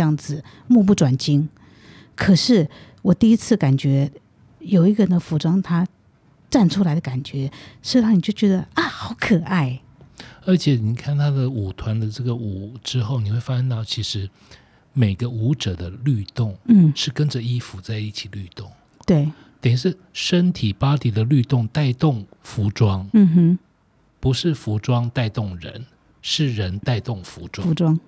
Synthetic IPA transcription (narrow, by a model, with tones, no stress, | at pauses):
jɑ˥˩ŋd͡zɹ̩˨˩ | mu˥˧pu˥˩ʈ͡ʂwa˨˩nt͡ɕi˥ŋ | kʰɤ˨˩ʂɻ̩˥˩ | wɔ˨˩t̪i˥˩i˥t͡sʰɹ̩˥˩ka˨˩nt͡ɕɥɛ˧˥ | jo˨˩ʊi˧˥ɡə˨ɻə˧˥nd̪ə˧fu˧˥ʈ͡ʂɑ˥ŋt̪ʰa˥ | ʈ͡ʂa˥˩nʈ͡ʂʰu˥la˧˥ɪə˧ka˨˩nt͡ɕɥɛ˧˥ʂ̩˥˧ɑ˥˩ni˨˩t͡ɕjo˥˩ʊt͡ɕɥɛ˧˥d̪ə˧a˥˩xɑ˧˥ʊkʰɤ˨˩ʔa˥˩ɪ | ə˞˧˥t͡ɕʰjɛ˨˩ni˨˩kʰa˥˩nt̪ʰa˥d̪ə˨u˨˩t̪ʰwa˧˦˥nd̪ə˨ʈ͡ʂɤ˥˩ɡə˩u˨˩ʈ͡ʂɻ̩˥xo˥˩ʊni˨˩xwe˥˩ɪfa˦˥ʂə˥˧nt̪ɑ˥˩ʊt͡ɕʰi˧˥ʂɻ̩˧˥ | me˨˩ɪɡə˦u˧˥ʈ͡ʂə˨˩d̪ə˦ly˥˧t̪ʊ˥˩ŋ̩˥˩ʂɻ̩˥˩kə˦nd͡ʒə˨i˦fu˧t͡sa˥˧ɪi˥˩t͡ɕʰi˨˩ly˥˧t̪ʊ˥˩ŋ | t̪we˥˩ɪ | t̪ə˨ŋi˥˩ʂɻ̩˥˩ | ʂə˥nt̪ʰi˨˩pa˥t̪i˧˥d̪ə˨ly˥˧t̪ʊ˥˧ŋt̪a˥˧ɪt̪ʊ˥˩ŋfu˧˥ʈ͡ʂwɑ˥ŋ̩˥˧˥ | pu˧˥ʂɻ̩˥˩fu˧˥ʈ͡ʂwɑ˥ŋt̪a˥˧ɪt̪ʊ˥˩ŋɻə̰˧˦n | ʂɻ̩˥˩ɻə˧˦˥nt̪a˥˧ɪt̪ʊ˥˩ŋfṵ˧˥ʈ͡ʂwwɑ˦ŋ